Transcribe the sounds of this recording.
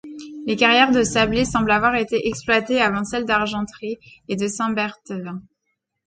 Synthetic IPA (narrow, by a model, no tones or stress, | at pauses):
lekaʁjɛʁd̪əsablesɑ̃blavwaʁet̪eʔɛksplwat̪eavɑ̃sɛld̪aʁʒɑ̃t̪χied̪əsɛ̃bɛʁt̪əvɛ̃